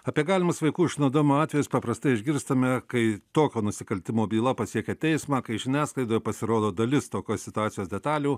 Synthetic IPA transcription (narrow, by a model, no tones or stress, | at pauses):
ɐpʲiɛɡɑːlʲɪmɐsʋɐɪkuːɪʃʲɪnɐd̪oːmʲoːɑːt̪ʲʋʲɛjʊspɐpɾɐst̪ɐɪɪʒʲɡʲɪɾst̪ɐmʲɛkɐɪt̪oːkʲoːnʊsʲɪkɐlʲt̪ʲɪmoːbʲiːlˠɐpɐsʲiɛkʲɛt̪ʲɛɪsmɑːkɐɪʒʲɪnʲæːsklˠɐɪd̪oːjɛpɐsʲɪɾoːd̪oːd̪ɐlʲɪst̪oːkʲoːsʲsʲɪt̪ʊɑːsʲɪjoːsdʲɛt̪ɑːlʲuː